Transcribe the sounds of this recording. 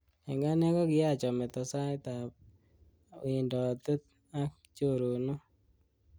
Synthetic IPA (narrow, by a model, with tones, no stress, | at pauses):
ɛ˨ŋɡa˦nɛ˦ɡɔ˦ɡɪ˦ja˦˨t͡ʃɔ˨mɛ˨t̪ɔ˨sa˦ɪ˦t̪a˨p̚ | ɪ˨ndɔ˨t̪u˦t̪̚ | a˦k | t͡ʃo˦˨ɾo˨no˦